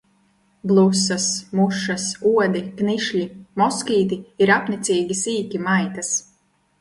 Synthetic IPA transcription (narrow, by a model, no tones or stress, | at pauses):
blˠusɐsmuʃasuɔd̪ikniʃʎʲimɔskʲiːt̪iiɾapnit̪siːɡʲisiːkʲimajt̪as